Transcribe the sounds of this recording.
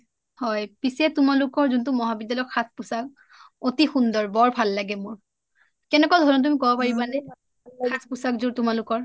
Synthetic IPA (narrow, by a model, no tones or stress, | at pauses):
hɔjpisɛtʊmalʊkɔɹzuntumɔɦabidalɔkxʰat̚ʰpusak̚ | otixundɔɹbɔɹbʱalːaɡɛmʊɹ | kɛnɛkɔdʱɔɹɔnt̬uamikɔbɔpaɹibanɛ | kʰatʰpusakzuɹtʊmalʊkɔɹ